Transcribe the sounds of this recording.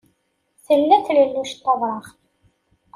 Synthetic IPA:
θəlːæθləlːuʃt̪ːɑðˤɾˤɑχ

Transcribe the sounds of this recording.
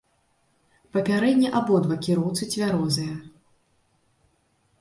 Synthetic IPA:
pɐpʲaɾɛd̪ʲnʲɐʔabɔd̪vɐkʲiɾɔwt̪sɨt͡sʲvʲaɾɔzɨjɐ

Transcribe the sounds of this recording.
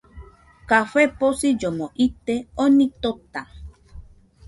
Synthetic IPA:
kaɸeposid͡ʒomõʔit̪eonĩt̪ot̪a

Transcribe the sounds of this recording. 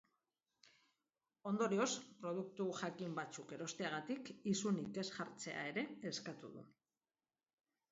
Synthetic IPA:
o̞nd̪o̞ɾio̞spɾo̞ð̞uk̚t̪uʝakimbat͡suke̞ɾo̞st̪eaɣ̞at̪ikisunike̞sʝaɾt͡se̞̰a̰e̞ɾe̞ːskat̪uð̞ṵ

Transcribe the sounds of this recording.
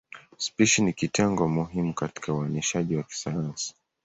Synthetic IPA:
spiʃinikitɛŋɡɔmuɦimukati̥kauaniʃaʄiwaki̥sajansi̥

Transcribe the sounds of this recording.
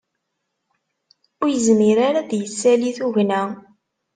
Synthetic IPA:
ʊɾjəzmiɾaɾaðjəsːæliθuʝnæ

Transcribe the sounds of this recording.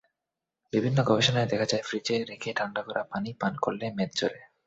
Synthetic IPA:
bibʱinːoɡɔbeʃonaed̪ɛkʰad͡ʑaefɾid͡ʑeɾekʰeʈʰaɳɖakɔɾʔapanipankoɾlemed̪̚d͡ʑoɾe

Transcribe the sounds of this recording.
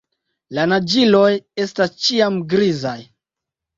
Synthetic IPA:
lanad͡ʒilo̞je̞stast͡ʃiamɡɾizaj

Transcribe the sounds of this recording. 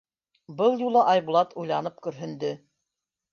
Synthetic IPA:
bɤlˠjulˠɤʔɑjβulˠɑt̪ujlˠɑnɤp̚kɵ̆ɾɦɵ̆nd̪ɵ

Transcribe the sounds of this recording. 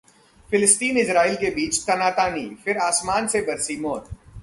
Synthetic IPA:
fɪlɪst̪iːnɪsɾaːiːlkebiːt͡ʃt̪ɐnaːt̪aːnḭfɪɾaːsmaːnsebɐɾsimoːt̪̚

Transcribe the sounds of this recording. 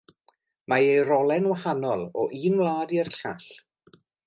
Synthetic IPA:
majejrɔlˠɛnwahanɔlˠɔ̰ʔiːnwlˠaːdiərɬaɬ

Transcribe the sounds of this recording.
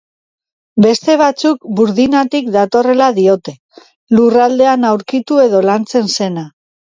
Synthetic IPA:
be̞st̪e̞β̞at͡suk̚buɾðinat̪ikd̪at̪o̞re̞laðio̞t̪e̞ | lurald̪e̞anawɾkit̪ue̞ðo̞lant͡se̞nse̞na

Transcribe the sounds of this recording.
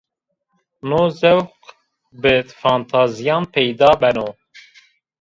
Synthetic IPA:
noːzɛwq | bɨfɑːnt̪ʰɑːzijɑːnpʰɛjd̪ɑːbɛnoː

